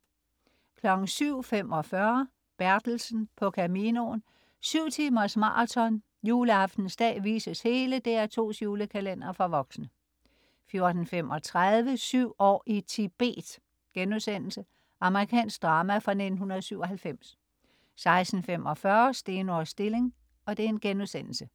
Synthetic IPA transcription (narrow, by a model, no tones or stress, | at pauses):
kʰlɒ̽ɡ̥n̩syʊ̰fem̰ɒ̽fɶɐ | b̥æɐd̥l̩sn̩pʰɒ̽kʰæmiːno̝n | syʊ̰t͡sʰiːmɐsmɑ̰̈t͡sʰɒ̽n | juːləɑ̈fd̥n̩sd̥ɛ̰ːʋḭːsəshe̝ːləd̥eæɐt͡sʰo̝̰ːsjuːləkʰælen̰ɐfʁɑʋɒ̽ɡ̥snə | fjo̝ɐd̥n̩fem̰ʔɒ̽t͡sʰʁaðˠʋəsyʊ̰ɒ̰ːit͡sʰib̥e̝̰ːd̥ | ɡ̥enuðˠsen̰l̩sə | ʔɑ̈məʁikʰɛ̰ːnsɡ̥̚d̥ʁɑ̈ːmæfʁɑ̈ne̝d̥n̩ɦunɐðˠsyʊ̰ɒ̽ɦælfem̰s | sɑ̈ɪsd̥n̩femɒ̽fɶːɐsd̥e̝ːnɒsd̥e̝le̝ŋ | ɒ̽d̥e̝æɐe̝nɡ̥enuðˠsen̰l̩sə